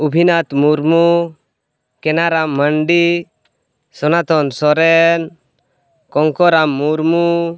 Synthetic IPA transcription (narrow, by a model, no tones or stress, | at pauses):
ubʱinat̪muɾmu | kɛnaɾamːəɳɖi | sɔnat̪ɔnsɔɾɛn | kɔŋkɔɾamːuɾmu